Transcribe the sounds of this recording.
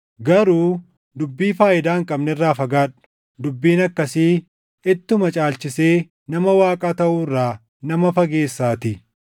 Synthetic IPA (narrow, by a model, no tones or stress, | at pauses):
ɡɐɾuː | d̪ʊbːiːfaːʔɪd̪aːŋkʼɐbnɛɪrːaːfɐɡaːᶑʊ̥ | d̪ʊbːiːnɐkːɐsiː | ɪt̪ːʊmɐt͡ʃʼaːlt͡ʃɪse̞ː | nɐmɐwaːkʼaːt̪ɐʔuːrːaː | nɐmɐfɐɡe̞ːsːaːt̪ɪ